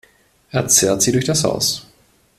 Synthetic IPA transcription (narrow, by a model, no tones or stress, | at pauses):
ʔeɐt͡sɛːɐtz̥iːdʊɐçd̥asha̰ʊs